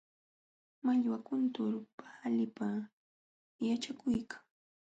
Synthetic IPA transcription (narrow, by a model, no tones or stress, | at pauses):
maʎwakʊnt̪ʊɾʊpaːlɪpa | jat͡ʃakʊjkʰḁŋ